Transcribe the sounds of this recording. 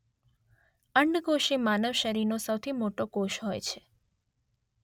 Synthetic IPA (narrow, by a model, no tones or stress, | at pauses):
əɳɖɡoʃimanəʋʃəɾiɾnosəwt̪ʰimoʈokoʃɦɔjt͡ʃʰe̥